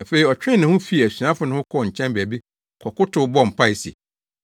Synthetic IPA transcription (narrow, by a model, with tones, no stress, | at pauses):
æ˨fe˨i˨ɔ˨t͡ɕᶣɪ̃˦nɪ̃˨hʊ̃˦fi˦˨æ˨su˨ã˦fʊ˨˦nʊ̃˦ʊ̃˦kʰɔ˦˨ɲ̩˨t͡ɕʰɛ̃˦mbæ˨bi˦ | kʰɔ˨kʊ˦tʰʊ˨˦bɔ˦˨m̩˨pʰa˦ɪ˨si˨e˨